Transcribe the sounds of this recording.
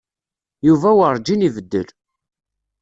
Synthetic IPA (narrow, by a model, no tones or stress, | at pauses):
juvæwəɾˤd͡ʒinivəd̪ːə̰l